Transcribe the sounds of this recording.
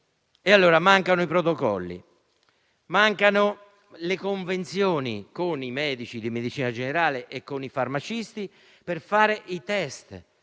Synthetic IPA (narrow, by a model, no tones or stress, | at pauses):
ealːoːɾamaŋkanʊipɾot̪okɔ̰lːḭ | maŋkano | lekoɱvent̪sjoːnḭkonimɛːd̪it͡ʃid̪imed̪it͡ʃiːnad͡ʒeneɾaːleʔekːonifarmat͡ʃist̪i | perfaːɾeʔit̪ɛst̪